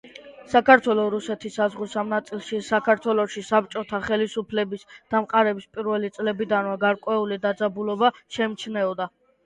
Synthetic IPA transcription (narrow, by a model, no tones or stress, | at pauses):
sakʰaɾt̪ʰwɛlˠɔɾusɛt̪ʰisːazʁusamnat̪sʼilˠʃisakʰaɾt̪ʰwɛlˠɔʃisap̚t͡ʃʼɔt̪ʰaχɛlisupʰlɛbisd̪̥amqʼaɾɛbispʼiɾvɛlit̪sʼlɛbid̪anvaɡaɾkʼwɛulid̪ad̪zabulɔbaʃɛmt͡ʃʰnɛɔd̪a